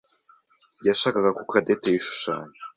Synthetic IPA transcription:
jaʃaːkaɡakukʰadetejiʃu̥ʃa̰ːɲe

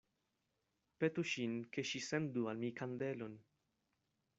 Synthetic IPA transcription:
pet̪uʃinkʰeʃisend̪ualmijkʰand̪elon

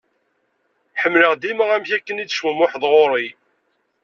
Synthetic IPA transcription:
ħəmːləʁd̪iməʁæmçækːənid̪ʃwumʊħəðˤʁoɾˤi

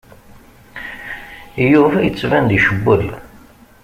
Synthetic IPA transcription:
juvæjət͡sːvænd̪iʃəbːəl

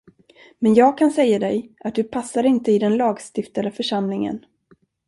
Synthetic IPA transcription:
mɛnjɑːɡ̚kʰansɛjːad̪ɛjʔat̪̚d̪ɵpʰasːaɾɪnt̪əɪd̪ɛnlɑːɡst̪ɪft̪ad̪əfœʂamlɪŋə̰n

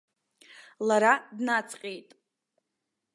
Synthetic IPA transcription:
laɾadnat͡sʰʼqʲʼejtʼ

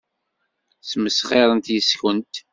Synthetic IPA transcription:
sməsχeɾˤənt̪jəskənt̪

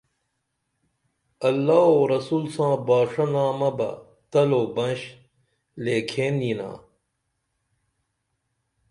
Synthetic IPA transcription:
ɐlːaːoːɾɐsuːlsãːbaːʂɐnaːmɐbɐ̰ | t̪ɐloːbɐ̃nɕ | leːkʰeːnd̪iːnã̰ː

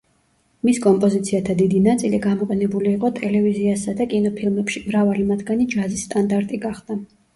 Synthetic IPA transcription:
miskʼɔmpʼɔzit̪sʰiat̪ʰad̪id̪inat̪sʼiliɡamɔqʼɛnɛbuliːqʼɔt̪ʼɛlɛviziasad̪akʼinɔpʰilˠmɛpʃimɾavalimat̪ʰɡanid͡ʒazist̪ʼand̪aɾt̪ʼiɡaχd̪̥a

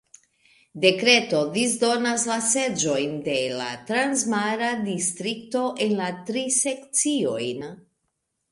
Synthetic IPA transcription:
de̞kɾe̞to̞dis̬do̞naslase̞d͡ʒo̞jnde̞la̰tɾansmaɾadistɾikto̞ʔe̞nlatɾise̞k̚t͡sio̞̰jn

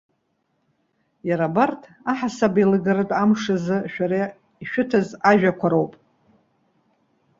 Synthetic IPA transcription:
jaɾabartʰ | aħasabilɨɡarɨtʼamʂɨzɨʃᶣaɾa | iʃᶣʊtʰazaʒᶣakʷʰaɾowpʼ

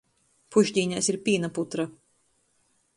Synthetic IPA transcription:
puʒʲd̪ʲiːɲʲasiɾpʲiːnaput̪ɾa

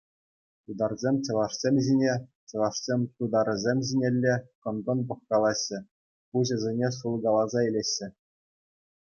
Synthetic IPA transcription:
t̪ud̪ɑrzʲemʲt͡ɕɤ̆lˠɑʂsʲemʲʑinʲet͡ɕɤ̆lˠɑʂsʲemʲt̪ud̪ɑɾɤ̆zʲemʲʑinʲelʲːekɤ̆nɡ̪ɤ̆npɤ̆χkɑlˠɑɕːɘ̆ | puʑɤ̆zʲenʲeʂulˠɡɑlˠɑzɑelʲeɕːɘ̆

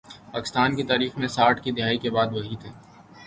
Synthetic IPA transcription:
paːkɪ̥st̪aːnkit̪aːɾiːxmẽsaːʈkid̪ɪɦaːikebaːd̪ʋɐɦit̪ʰeː

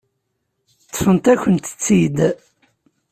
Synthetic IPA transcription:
t͡s̪ːə̥fənt̪æçənt̪ə̥t͡sːid̪

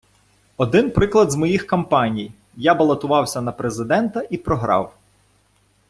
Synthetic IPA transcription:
ɔd̪ɪnpɾɪklˠɐd̪zmɔjixkɐmpɑnʲij | jabɐlˠɐt̪ʊʋɑwsʲɐnɐpɾezɪd̪ɛnt̪ɐʔipɾɔɦɾɑ̰w

